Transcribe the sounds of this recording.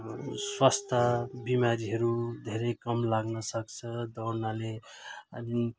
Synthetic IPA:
swast̪ʰʌbimaɾiɦʌɾud̪ʱeɾekʌmlaɡnʌsʌkt͡sʰʌd̪ʌɾnaleʌni

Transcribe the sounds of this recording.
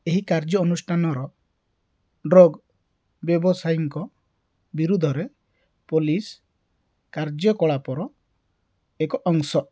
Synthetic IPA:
eɦikaɾd͡ʒjɔːnusʈʰanɔɾɔ | ɖɾɔɡ | bjɔbɔsajiŋkɔ | biɾud̪ʱɔɾe | polis | kaɾd͡ʒjɔkɔɭapɔɾɔ | ekɔʔɔŋsɔ

